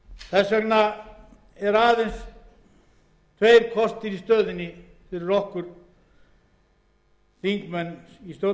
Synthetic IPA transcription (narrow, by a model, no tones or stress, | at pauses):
θɛsœkna | ɛɾaːðens | t̪ʰvejɾ̥kʰɔst̪ɪɾist̪œːðɪnːɪ | θɪɾɪrɔhkʏɾ̥ | θiŋkmɛnist̪jo